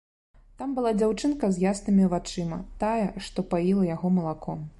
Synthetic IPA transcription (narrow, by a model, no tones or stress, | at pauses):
t̪ambɨlˠad͡zʲawt͡ʂɨnkɐzʲjasnɨmʲivat͡ʂɨmɐt̪ajɛʂt̪ɔpajilˠɐjaɣɔmɐlˠakʰɔm